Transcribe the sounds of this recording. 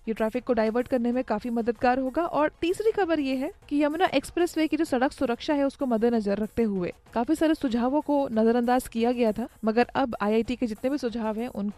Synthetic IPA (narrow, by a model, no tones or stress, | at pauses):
jeʈɾɛːfɪkːoɖaːɪʋəɾʈkɐɾnemẽkaːfimɐd̪əd̪ɡaːɾɦoːɡaʔɔːɾt̪iːsɾixɐbəɾjeɦɛkijɐmnaʔeːkspɾɛswekid͡ʒoːsɐɽəksʊɾəkʃaɦɛʊskomɐd̪ʱnɐzəɾːɐk̚ʰt̪eɦʊḛːkaːfisaːɾesʊd͡ʒʱaːʋõkonɐzəɾɐ̃nd̪aːzkijaɡɐjat̪ʰaːmɐɡəɾɐbaːjaːɪʈiked͡ʒɪt̪nebʱisʊd͡ʒʱaːʋɦɛ̃ʔʊnko